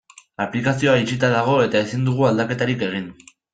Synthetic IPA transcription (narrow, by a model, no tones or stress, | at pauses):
aplikasio̞ait͡ʃit̪aðaɣ̞o̞e̞t̪ae̞sind̪uɣ̞uald̪ake̞t̪aɾike̞ɣ̞in